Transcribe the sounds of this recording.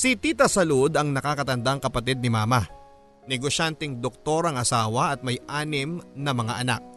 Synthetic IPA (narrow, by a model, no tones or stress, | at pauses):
sit̪iːt̪ɐsɐlud̪ɐŋnɐkakɐt̪ɐnd̪aŋkɐpɐt̪id̪̚nɪmaːmɐ | nɛɡoʃant̪ɛŋd̪ok̚t̪o̞ɾɐŋɐsaːwɐʔɐt̪̚mɐjʔaːnɪmnɐmɐŋaʔɐna̰k̚